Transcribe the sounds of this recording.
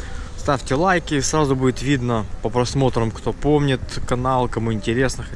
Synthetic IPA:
st̪afʲtʲɪlˠajkʲɪsɾazʊbudʲɪt̪vʲid̪nəpəpɾɐsmo̞t̪ɾəmkt̪o̞po̞mnʲɪt̪kɐnalˠkɐmuɪnʲtʲɪɾʲe̞snɨx

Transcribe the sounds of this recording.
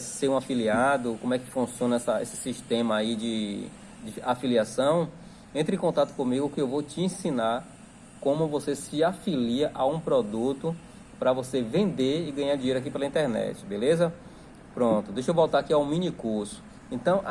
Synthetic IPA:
seɾũafiliad̪ʊkõmʊɛkɪ̥fũsiõnɐɛsɐḛsɪ̥siʃt̪ẽmɐːid͡ʒɪ | d͡ʒɪafiliasɐ̃w̃ | ẽnt̪ɾɪẽkõt̪at̪ʊ̥kõmiɡʊkɪewvot͡ʃiẽsĩnaɾ | kõmʊvosesɪafiliɐʔaũpɾɔd̪ut̪ʊ | pɾɐvosevẽnd̪eɾɪɡɐ̃ɲaɾd͡ʒĩɲeɾʊak̬ipelɐĩnt̪ɛɾnɛ̰t͡ʃɪ̥belezɐ | pɾõt̪ʊd̪ejʃewvɔwt̪aɾakiawmĩnikuɾsʊ̥ | ẽnt̪ɐ̃w̃

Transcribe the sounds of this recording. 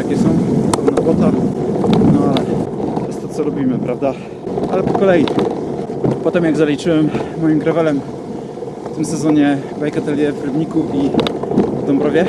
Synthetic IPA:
jakʲɛsɔ̃w̃nɾɔbɔt̪a | nɔalɛtt̪ɔjɛst̪ːɔt̪sɔlɔbʲimɘpɾavd̪a | a̰lɛpɔkɔlɛji | pɔt̪ɛmjaɡzalʲit͡ʂɘwɛmːɔjimɡɾavɛlɛm | ft̪ɘmsɛzɔɲɛɡvajkat̪ɛlʲjɛvɾɘbɲikui | vd̪ɔmbɾɔvʲjɛ

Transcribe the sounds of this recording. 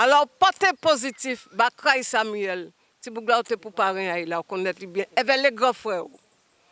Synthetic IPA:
alɔpat̪ɛ̃pozitifbakʁajsamyɛl | tibuɡlaot̪epupaʁɛ̃ailaokɔ̃nɛt̪libjɛ̃ɛvɛleɡʁãfʁɛo

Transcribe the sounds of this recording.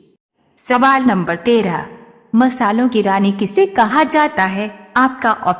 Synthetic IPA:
sɐʋaːlnɐ̃mbəɾt̪eːɾa̰ | mɐsaːlõkiɾaːnikisekɐɦad͡ʒaːt̪aɦɛaːp̚kaʔɔːp

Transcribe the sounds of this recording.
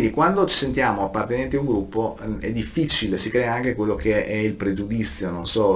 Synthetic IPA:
ind̪ikwand̪ot͡ʃi̥sent̪jaːmoapːart̪enẽnt̪iauŋɡɾupːoɛ̰d̪ifːit͡ʃilesikɾeaaŋk̟ekwelːokeɛilpɾed͡ʒud̪it̪sːjononsɔ

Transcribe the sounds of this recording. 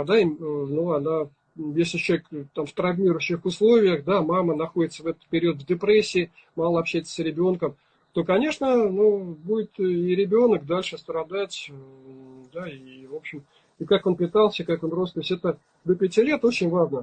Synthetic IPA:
d̪aɪmnuɐna | jesʲlʲɪt͡ɕʲekt̪amft̪ɾɐvʲmʲiɾʊɕːɪxʊslˠo̞vʲɪjəxd̪amamənɐxo̞dɪt̪səvɛt̪ə̥t̪̚pʲɪɾʲiot̪vʲdʲɪpɾesʲːɪː | malˠəɐpɕːæjɪt̪sə̥sɾʲɪbʲo̞nkəm | t̪o̞kɐnʲe̞ʂnənubudʲɪt̪iɾʲɪbʲo̞nəkd̪alʲʂɨst̪ɾɐd̪atʲ | d̪aɪvo̞pɕɪm | ɪkako̞npʲɪt̪alˠsʲəkako̞nrost̪osʲɛt̪ə | d̪əpʲɪtʲilʲe̞t̪o̞t͡ɕɪnʲvaʐnə

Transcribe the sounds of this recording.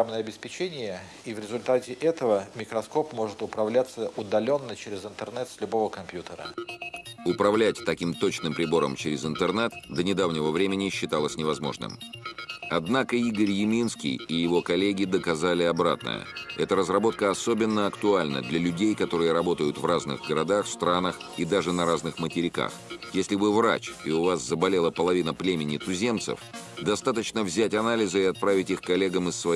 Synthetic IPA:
amnəjəɐbʲɪspʲɪt͡ɕenʲɪjə | ivɾʲɪzʊlʲt̪atʲɪʔɛt̪əvəmʲɪkɾɐsko̞pmo̞ʐɨt̪ʊpɾɐvlʲat̪səʔʊd̪ɐlʲo̞nːət͡ɕɪɾʲɪzɨnt̪ɨrnɛt̪sʲlʲʊbo̞vəkɐmpʲjut̪əɾə̰ | ʊpɾɐvlʲætʲt̪ɐkʲimt̪o̞t͡ɕnɨmpɾʲɪbo̞ɾə̰mt͡ɕɪɾʲɪzɨnt̪ɨrnɛt̪d̪ənʲɪd̪avnʲɪvəvɾʲemʲɪnʲɪɕːɪt̪alˠəsʲnʲɪvɐzmo̞̰ʐnɨ̰m | ɐd̪nakəiɡəɾʲjɪmʲinskʲɪ̰jɪjɪvo̞kɐlʲːeɡʲɪd̪əkɐzalʲɪɐbɾa̰t̪̚nə̰jə̰ɛt̪əɾəzrɐbo̞t̪̚kəɐso̞bʲɪnːəɐkt̪ʊalʲnə̰d̪lʲɐlʲʉdʲejkɐt̪o̞ɾɨjəɾɐbo̞t̪əjʊt̪vraznɨ̰ɣɡəɾɐd̪axfst̪ɾanəxid̪aʐɨnɐɾaznɨxmətʲɪɾʲɪka̰xjesʲlʲɪbɨvra̰t͡ɕɪʊvaszəbɐlʲe̞lˠəpəlˠɐvʲinəplʲemʲɪnʲɪt̪ʊzʲe̞mt̪sɨ̰fd̪ɐst̪at̪ət͡ɕnəvzʲætʲɐnalʲɪzɨɪɐt̪̚pɾavʲɪtʲixkɐlʲe̞ɡəmɨsːvɐ

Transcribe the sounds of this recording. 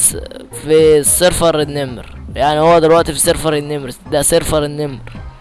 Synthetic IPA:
fisːeɾfɑɾˤɪnːɪmɾjaʕnihowːæd̪ɪlwæʔt̪ifisˤeɾfɑɾˤɪnːɪmɾd̪æseɾfɑɾˤɪnːɪmɾ

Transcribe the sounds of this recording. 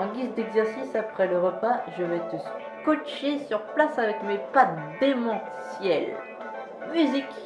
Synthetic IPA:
ɑ̃ɡʲizd̪ɛɡzɛʁsisapχɛləʁəpaʒəvɛt̪əs | kɔt͡ʃesyʁplasavɛkmepad̪emɑ̃ | sjɛl | myzik

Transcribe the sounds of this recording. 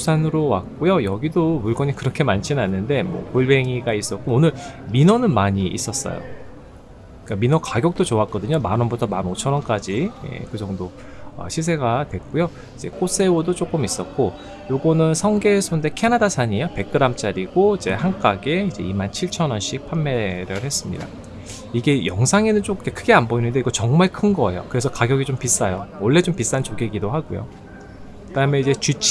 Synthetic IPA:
sʰanɯɾowa̰k͈ojojʌɡidomuɭɡʌɲikɯɾʌkʰe̞mant͡ɕʰinanːɯnde̞mwʌ̰koɭbe̞ŋiɡais͈ʌk͈oːnɯɭminʌnɯnmaɲiʔḭs͈ʌs͈ʌ̰jo̰ | k͈aminʌkaɡjʌk̚t͈ot͡ɕoak̚k͈ʌdɯɲomanʌnbutʰʌmanot͡ɕʰʌnʌnk͈ad͡ʑije̞̰kɯd͡ʑʌŋdo | ʌ̰ɕʰis̬ʰe̞ɡadwe̞k͈ujo | id͡ʑe̞̰k͈ʰos͈e̞odot͡ɕ͈ok͈ɯmis͈ʌt̚k͈o | joɡʌnɯnsʰʌŋɡe̞sʰonde̞kʰenadasʰaɲijope̞k̚k͈ɯɾamt͡ɕ͈aɾiɡoid͡ʑe̞̰hank͈aɡe̞id͡ʑe̞̰imant͡ɕʰiɭt͡ɕʰʌnʌnɕʰipʰamːe̞ɾɯɭhe̞s͈ɯmɲḭda̰ | iɡe̞jʌŋsʰaŋenɯnt͡ɕ͈okkekʰɯɡe̞anboinɯnde̞iɡʌt͡ɕʌŋmaɭkʰɯnɡʌḛjo̰kɯɾe̞sʰʌkaɡjʌɡit͡ɕompis͈ajowʌɭːe̞t͡ɕompis͈ant͡ɕoɡiɡidoɦaɡojo̰ | kɯd̥aɯmeid͡ʑe̞t͡ɕit͡ɕʰ

